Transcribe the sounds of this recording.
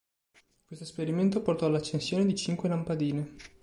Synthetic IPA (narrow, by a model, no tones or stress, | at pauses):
kwest̪oespeɾiment̪oport̪ɔalːat͡ʃːensjoːned̪it͡ʃiŋkwelampad̪iːne